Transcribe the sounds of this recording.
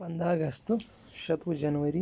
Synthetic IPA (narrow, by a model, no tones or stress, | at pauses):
pɐnd̪aːɡɐst̪u | ʃɐt̪ʋud͡ʒɐnuʋɐɾi